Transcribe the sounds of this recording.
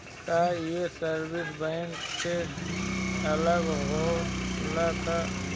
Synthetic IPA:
kajesəɾbɪsbəɪnse | ɐləɡɦolak̪a

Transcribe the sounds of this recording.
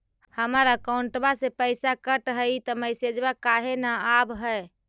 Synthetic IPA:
həməɾəkaʊuɳʈbasepəɪsakəʈɦəit̪əməjsed͡ʒbakaɦenaːbɦə

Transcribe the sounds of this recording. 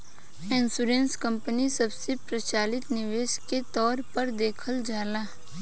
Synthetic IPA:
ɪ̃nsuɾẽːnskə̃mpənisɐbsepɾət͡ʃaːlɪt̪nɪʋeːʃket̪ɔːɾpəɾd̪eːkʰəld͡ʒaːlaː

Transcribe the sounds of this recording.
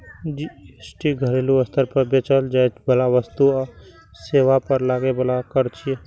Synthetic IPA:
d͡ʒiesʈiɡʱəɾeluəst̪ʰəɾpəɾbet͡ʃəld͡ʒajt͡ʃbəlaʋəst̪uɔ | seʋapəɾlaɡebəlakəɾt͡ʃʰije

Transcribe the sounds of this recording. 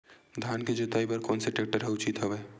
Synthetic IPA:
d̪ʱaːnked͡ʒet̪aːipɐɾkɔːnseʈeːk̚ʈəɾɦɛʊt͡ʃit̪ɦɐʋɛː

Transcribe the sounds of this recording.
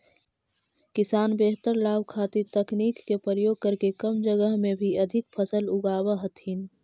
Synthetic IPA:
kɪsaːnbeːɦt̪əɾlaːbkʰaːt̪it̪ɐkniːkːepɾəɾəjoːɡ̚kəɾkekɐmd͡ʒəɡəɦmẽbʱiɐd̪ʱɪk̚pʰəsəlʊɡaːwaɦɐt̪iːn

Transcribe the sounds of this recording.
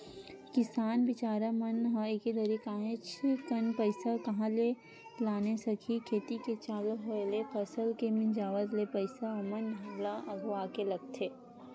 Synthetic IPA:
kɪsaːnbɪt͡ʃaːɾamɐnɦɐ̃ekid̪ɐɾikaːɦẽt͡ʃʰikənpəɪsakɐɦãle | laːnesɐkʰikʰeːt̪iket͡ʃaːlɦoelepʰɐsəlkemɪ̃nd͡ʒaːʋət̪lepəɪsaɐmənʱɐmlaʔɐɡʋaːkelɐɡ̚t̪ʰeː

